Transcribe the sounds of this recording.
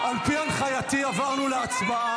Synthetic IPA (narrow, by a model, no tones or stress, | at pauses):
ʔalpianχajat̪iavaʁnuleat͡sbaa